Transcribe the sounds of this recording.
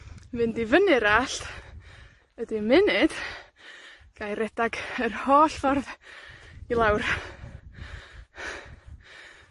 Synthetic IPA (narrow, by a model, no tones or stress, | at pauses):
vɨndɪvənɨɾaːɬt | ədimɪnɨd̥ | ɡ̥ajɾɛdaɡərhoːɬfɔrð | ilˠawr